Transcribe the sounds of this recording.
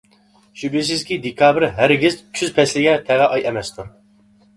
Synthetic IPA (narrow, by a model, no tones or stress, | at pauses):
ʃybis̬ɪzkʲid̪ekʰɑːbɾɦæɾɡʲizt͡ʃʲʰyzpʰɛslɪɡʲɛt̪ʰɛʁɛʔɑjɛmɛst̪ʰuɾ